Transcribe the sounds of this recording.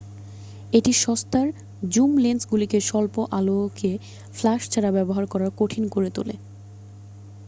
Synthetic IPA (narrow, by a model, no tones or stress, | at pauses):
eʈiʃɔst̪aɾ | d͡ʑumlensɡulikeʃɔlpoʔalokʰe | flaʃt͡ɕʰaɾabɛboɦaɾkɔɾaɾkoʈʰinkoɾet̪o̰lḛ